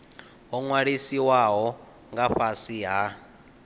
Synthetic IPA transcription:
ɦɔŋwaɺisiwaɦɔ | ŋɡaɸasiɦa

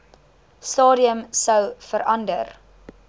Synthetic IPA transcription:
stɑːɾiəmsəwfəɾɐndər

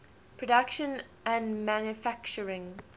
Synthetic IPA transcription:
pʰɹ̥ədakʃə̃n | ə̃ndmæ̃njufak̚t͡ʃəɹɪ̃ŋ

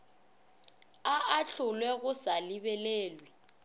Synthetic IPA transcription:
aʔaɬʰʊlwɛɣʊsalɪɓɛleːlwi

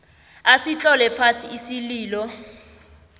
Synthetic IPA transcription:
asit͡ɬʼɔlɛpʰasiisiliːlɔ

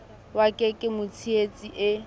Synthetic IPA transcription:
wakʼɛkʼɪmʊt͡sʰiet͡sʼiʔɪ

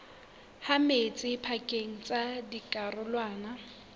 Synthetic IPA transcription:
hamet͡sʼɪpʰakʼeŋ̩t͡sʼadikʼarʊlwaːna

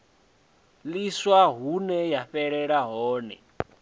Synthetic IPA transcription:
liswaɦunɛjaɸɛɺɛɺaɦɔːnɛ̰

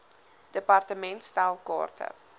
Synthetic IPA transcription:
d̥əpɑrtəmɛntstalˠkɔ̰ːrtʰə̰

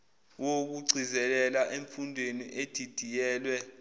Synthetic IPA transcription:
wok̬uɡ͡ǀʱizɛlɛlaʔeɱfundʱwenḭʔed̥ʱid̥ʱijɛːlwɛ

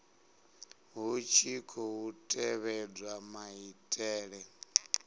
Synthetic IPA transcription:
ɦut͡ʃʰikʰɔɦutʼɛβɛd͡zwamaitʼɛːɺɛ

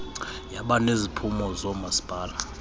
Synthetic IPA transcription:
jaɓanezipʰumɔzɔmasi̥b̥ʱaːla

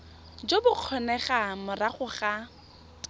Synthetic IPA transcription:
d͡ʒobʊq͡χʰɔnɛχamʊraχʊχa

